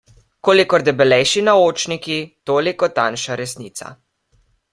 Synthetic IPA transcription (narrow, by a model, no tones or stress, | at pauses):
koːlikɔɾd̪ɛbɛlɛjʃinaoːt͡ʃnikit̪oːlikɔt̪anʃaɾɛsniːt̪sa̰